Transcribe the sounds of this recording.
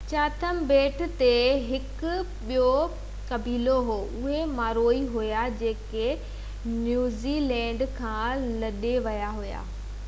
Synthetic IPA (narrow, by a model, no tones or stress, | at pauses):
t͡ɕaːt̪ʰəmbeːʈ̆ʰt̪eɦɪkʊ | ɓijo | kɐbiːloɦoːʔʊɦemaːɾoːiɦujad͡ʑeːke | njuːzilɛ̃ːɳɖkʰãːlɐɗeʋɐjaɦuja̰ː